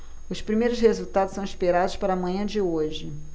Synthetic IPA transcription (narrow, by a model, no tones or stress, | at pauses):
ʊspɾimejɾʊshezut̪ad̪ʊsɐ̃w̃iʃpeɾad̪ʊspaɾɐmɐ̃ɲɐ̃d͡ʒɪoʒɪ